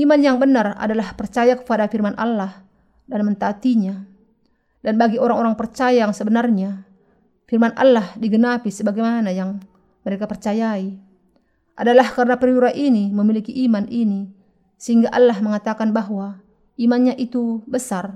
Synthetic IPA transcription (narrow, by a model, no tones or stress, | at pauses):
imanjaŋbənara̰dalahpərt͡ʃajakə̥padafirmanʔa̰lːah | danmənt̪at̪iɲa | danbaɡioɾaŋɔɾaŋpərt͡ʃajajaŋsəbənarɲa | firmanʔa̰lːahdiɡənapisəbaɡɛjmanajaŋ | məɾekapərt͡ʃajai | ʔadalahkaɾənapɾiuɾaʔiniməmilikiʔimanʔini | səɦiŋɡaʔalːahməŋat̪akanbaɦuwa | imanɲaʔit̪ubəsar